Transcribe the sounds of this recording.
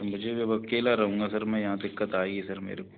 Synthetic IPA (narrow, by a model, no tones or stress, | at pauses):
mʊd͡ʒʱeʋeʋɐkeːlaɾɐɦũːŋɡasɐɾmɛ̃jɐɦãd̪ɪkːət̪aːeɡisɐɾmḛːɾe